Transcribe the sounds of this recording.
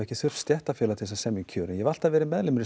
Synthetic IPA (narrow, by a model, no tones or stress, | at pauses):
ɛhcɪθʏr̥st̪jɛht̪afjɛːlat̪ʰɪsasɛmjiŋcʰœːɾɪnjɛval̥t̪avɛːɾɪmɛðlɪmɾɪ